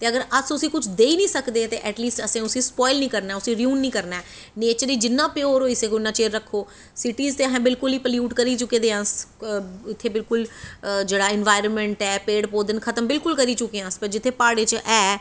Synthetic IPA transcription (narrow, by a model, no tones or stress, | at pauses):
t̪eːəɡəɾəsʊsĩːkʊt͡ʃʰd̪eːiːnĩːsəkd̪eːt̪eːʔɛːʈliːsʈəsẽːʊsĩːspɔːɪlnĩːkəɾnaɛːʊsĩːɾijuːnːĩːkəɾnaː | neːt͡ʃəɾiːd͡ʒɪnːãːpɪoːɾɦoːiːsẽːkonːãːt͡ʃeːɾəkʰːoː | sɪʈiːzt̪eːəɦɛ̃ːbɪlkʊliːpəljuːʈkəɾiːt͡ʃʊkeːd̪eːãːs | ɪt̪ʰːeːbɪlkʊld͡ʒeːɽaːɪnʋaːɪɾənmɛ̃ɳʈɛːpeːɽpoːd̪ənkʰət̪əmbɪlkʊlkəɾiːt͡ʃʊkːeãːspəɾd͡ʒɪt̪ʰːeːpaːɽeːt͡ʃʔɛː